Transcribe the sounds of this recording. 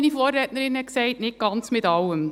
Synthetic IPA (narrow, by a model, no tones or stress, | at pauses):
nifɔːrːɛːtnəɾɪnhɛksɛɪtnɪt̚ɡ̥ɑnt͡smɪtɑwːəm